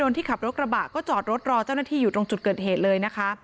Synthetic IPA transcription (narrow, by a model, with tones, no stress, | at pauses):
o˧nt̪ʰiː˥˩kʰa˨˩p̚ɾo˦˥t̪̚ɾa˧baː˨˩t̪̚kːɔː˥˩t͡ɕɔː˨˩t̪̚ɾo˦˥t̪̚ɾɔː˧t͡ɕaː˥˩wnaː˥˩iː˥˩uː˨˩ɾo˧ŋt͡ɕu˨˩t̪̚kɤː˨˩t̪̚heː˨˩t̪̚lɤː˧jna˦˥kʰa˦˥